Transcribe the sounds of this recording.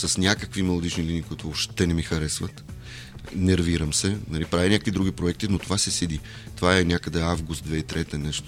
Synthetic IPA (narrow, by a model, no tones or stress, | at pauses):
sɐsnʲakəkvimɛlˠod̪it͡ʃniliniːkʊit̪ooʃt̪ɛnɛmixɐɾɛsvɐt̪ | nɛɾviɾəmsɛnɐlipɾavʲinʲakə̥kvid̪ɾuɡipɾoɛkt̪inot̪ovasɛsid̪i | t̪ovaɛnʲakəd̪ɛavɡʊst̪̚d̪vɛit̪ɾɛt̪ɛnɛʃt̪o̥